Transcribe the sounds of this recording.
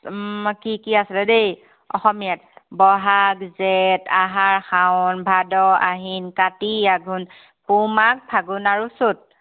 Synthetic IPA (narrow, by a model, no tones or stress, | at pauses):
kikiasilɛdej | ɔ̰xɔmijat̚bɔɦakzetaɦaɹxawnbʱadɔa̰ɦinkatiaɡʱun | pumak̚pʰaɡunaɹusʊt̚